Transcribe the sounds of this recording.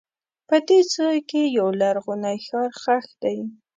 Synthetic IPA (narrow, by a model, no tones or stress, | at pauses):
pəd̪et͡səjkejawlaɾɣʊnajxaɾxaxd̪aj